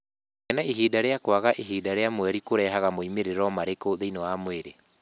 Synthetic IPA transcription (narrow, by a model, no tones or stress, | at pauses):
ɛnaiɦiːdaɾeakwaɣaʔiɦiːdaɾeamwɛɾikoɾɛɦaɣamoimeɾeɾɔmaɾekoðeinɔwamweɾe